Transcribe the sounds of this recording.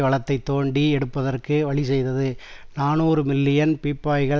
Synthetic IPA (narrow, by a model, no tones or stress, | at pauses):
ʋɐɭɐt̪ːɐɪt̪ːoːɳɖiɛɽɯpːɐðɐrkɯʋɐɭis̬ɛjðɐðɯnaːnuːɾɯmɪlːɪjɐnpiːpːaːjɣɐ